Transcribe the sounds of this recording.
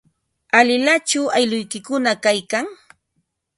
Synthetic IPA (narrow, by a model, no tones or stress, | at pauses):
alɪlat͡ʃʊajlʊjkɪkʊnakajkaŋ